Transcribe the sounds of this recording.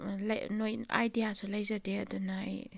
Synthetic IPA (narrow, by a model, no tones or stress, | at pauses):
lnoja̰jdijasʰulajzadeɐdunaj